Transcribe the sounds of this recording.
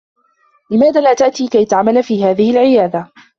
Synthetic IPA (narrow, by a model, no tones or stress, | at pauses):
lɪmaːðaːlaːt̪aʔt̪iːkajt̪aʕmalfiːhaːðɪhɪlʕɪjaːd̪a